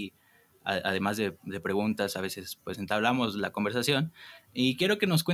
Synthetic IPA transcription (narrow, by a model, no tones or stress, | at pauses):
a̰aðe̞mazðe̞ðe̞pɾe̞ɣunt̪asaβe̞se̞spwe̞se̞nt̪aβlamo̞zlako̞mbe̞ɾsasjo̞nikje̞ɾo̞ke̞no̞s̬kwe